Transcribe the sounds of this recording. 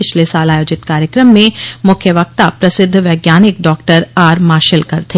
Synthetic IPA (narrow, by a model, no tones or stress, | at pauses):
ɪt͡ʃʰlesaːlaːjoːd͡ʒɪt̪kaːɾjəkɾəmːẽmʊkʰjəʋɐk̚t̪apɾɐsɪd̪ʱːʋɐːɡjaːnɪkɖɔːkʈəɾaːɾmaːʃɪlkɐɾt̪ʰeː